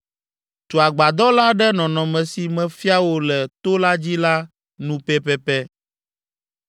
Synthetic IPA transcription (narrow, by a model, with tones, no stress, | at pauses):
t̪o˨a˨ɡ͡ba˨d̪ɔ˦la˦ɖɛ˦nɔ̃˨nɔ̃˨mɛ̃˨si˨mɛ̃˨fi˦a˦wo˦lɛ˨t̪o˦la˦d͡ʑi˦la˦ | nũ˦pɛ˦pɛ˦pɛ˦